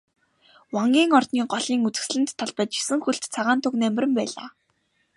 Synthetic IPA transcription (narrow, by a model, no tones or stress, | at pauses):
waŋɡʲiːŋɔrt̪niːɢɔɮiːŋut͡sɘ̆xsɮɘ̆nt̪ʰːɔɮpə̆t͡ɕi̥sɘ̆ŋxuɬt̪t͡sʰaʁaːnt̪ʰʊknæmʲrɘ̆mpæːɮa̰ː